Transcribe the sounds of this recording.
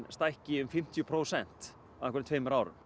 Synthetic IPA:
st̪ajhcɪʏmfɪm̥t̪ʰjʏpʰɾoːwsɛn̥t̪ | aãnkʰɔɾnt̪ʰveːjmʏɾaːwɾʏ̰m

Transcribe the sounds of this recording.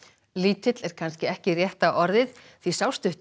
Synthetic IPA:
liːt̪ʰɪt̪lɛɾ̥kʰanscɪɛhcɪrjɛht̪aʔɔɾðɪð | θvisaːwst̪ʏht̪

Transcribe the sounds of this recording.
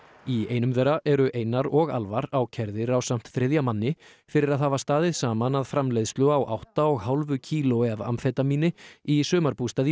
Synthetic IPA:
ieːjnʏmðɛːrːaʔɛɾʏʔeːjnːaɾɔɣa̰lvaɾawcʰɛɾðɪɾawsam̥t̪θɾɛðjamanːɪ | fɪɾɪɾaðhaːvast̪aːðɪðsaːmanaðfɾamlejðst̪lœːawʔa̰wht̪aɔɣhawlvʏcʰiːlʊɛva̰mfɛːt̪amiːnɪisœːmaɾpust̪aːði

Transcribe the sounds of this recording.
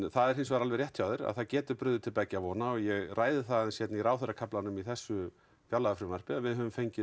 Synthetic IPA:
θaðɛɾ̥hejns̬ɔvaɾalvɛrjɛht̪ʰjawðɪɾa̰ð̥θaðcɛːt̪ʏpɾʏðʏt̪ʰɪlpaːcɪavɔːnaɔɣjɛɣraːjðɪθaðnsjɛt̪niɾaːwθœrakʰaplanʏmiθɛsːʏ | fjalaʏfɾɪmar̥pɪavɪðɦœvʏmfejɲcɪ

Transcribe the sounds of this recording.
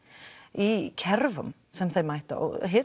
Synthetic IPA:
ikʰɛɾvʊ̰m | sɛmθejmajt̪a̰ɔ̰ɦɪ

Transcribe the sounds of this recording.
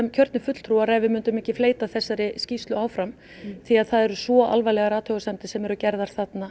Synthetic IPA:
ɛmcʰœɾt̪nɪfʏt̪l̥t̪ʰɾuaɾɛvɪmʏnt̪ʏmɪhcɪfleːjt̪aθɛsːaɾɪscist̪lʏaːwfɾam | θiaðθaðɛɾʏsvɔʔa̰lvajlɛɣaɾaːt̪hœɣʏsant̪ɪsɛmɛɾʏcɛɾðaɾ̥θat̪na

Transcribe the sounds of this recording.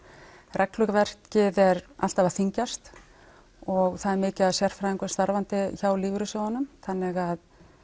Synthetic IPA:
rʔɛklʏkavɛr̥t̪cɪðɛɾa̰l̥t̪avaθiɲcast̪ | ɔɣθaðɛɾmɪːcɪaðsjɛr̥fɾajðiŋkḁst̪aɾvant̪ɪçawlɪːvɾʏsjoːwanʏmθanːɪɣað

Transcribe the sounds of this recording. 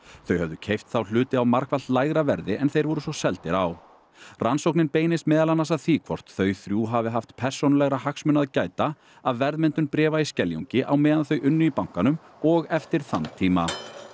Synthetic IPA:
θœɥhœvðʏcʰejft̪θawl̥ʏːt̪ɪawmaɾ̥kvalt̪laːjɣɾavɛɾðɪʔɛnθejɾvɔɾʏsɔsɛlt̪ɪɾaw | ransowknɪnpeːjnɪst̪mɛːðalanːasaðθikʰvɔr̥t̪θœɥθɾjuːɦavɪɦaft̪pʰɛr̥sownalɛɣɾahaksmʏnːaðcaːjt̪a | aðvɛɾðmɛnt̪ʏnpɾɛːvaiscɛljo̰ɲcɪʔawmɛːðanθœɥʔʏnːʏipawŋ̥kanʏm | ɔɣɛft̪ɪɾ̥θant̪ʰiːma

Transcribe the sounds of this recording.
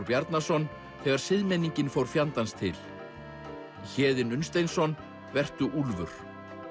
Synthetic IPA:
ɾpjaɾt̪nasɔn | θɛɣaɾ̥sɪðmɛnːiɲcɪnfowɾ̥fjant̪anst̪ʰɪ̰l | çɛːðɪnʏnst̪ejnsɔn | vɛr̥t̪ʏʔulvʏ̰ɾ̥

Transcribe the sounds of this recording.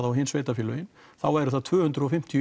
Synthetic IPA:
ðawɦɪːnsveːjt̪afiːlʏɪnθawɛɾʏθaðt̪ʰvʏːhʏnt̪ɾʏɔfɪm̥t̪ʰij

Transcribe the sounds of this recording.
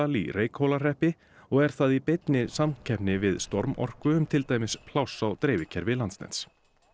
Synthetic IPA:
alḭrʔeːjkhowlar̥ɛhpɪ | ɔɣɛɾ̥θaðipejt̪nɪsamcʰɛpnɪvɪðst̪ɔɾmɔ̰r̥kʏʏmt̪ʰɪlt̪aːjmɪspʰlawsawt̪ɾeːjvɪcʰɛɾvɪlant̪nɛ̰nt̪s

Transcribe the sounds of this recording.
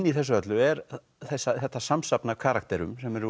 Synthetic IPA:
nːiθɛsːʏœt̪lʏɛɾ | θɛsːaθɛt̪ːasamsapnakʰaɾak̚t̪ɛɾʏ̰msɛmɛɾ

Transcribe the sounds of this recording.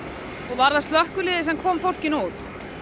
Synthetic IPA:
ɔɣvaɾðast̪lœhkʏlɪːðɪsɛmkʰɔːmfowl̥cɪnuːt̪

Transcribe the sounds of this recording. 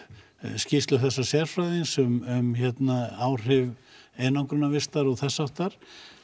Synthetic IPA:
scist̪lʏθɛsːasjɛɾfɾajðɪnsʏmʏmçɛt̪naaːwr̥ɪvɛːnawŋkɾʏnːavɪst̪aɾɔɣθɛsːawht̪aɾ̥

